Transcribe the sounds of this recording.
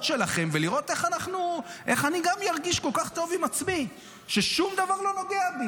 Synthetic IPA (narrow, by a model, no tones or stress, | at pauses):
tʃe̞laχe̞mveliʁo̞t̪e̞χanaχnuʔe̞χaniɡamjaʁɡiʃkolkaχt̪o̞vimat͡smi | ʃe̞ʃumd̪avaʁlo̞no̞ɡeabi